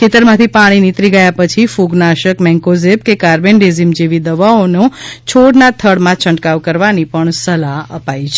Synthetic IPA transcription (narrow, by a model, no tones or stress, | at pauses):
kʰet̪əɾmãt̪ʰipaɽ̃init̪ɾiɡəjapət͡ʃʰifuɡnaʃəkmɛ̃ŋkozeb̚kekaɾbeɳɖezimd͡ʒeʋid̪əʋaonõt͡ʃʰoɽnat̪ʰəɽmãt͡ʃʰə̃ɳʈkaʋkəɾʋanipəɳsəlaɦəpait͡ʃʰe